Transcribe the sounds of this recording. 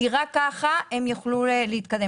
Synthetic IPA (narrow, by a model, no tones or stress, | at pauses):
iʁakːaχaemjuχlueleit̪̚kad̪e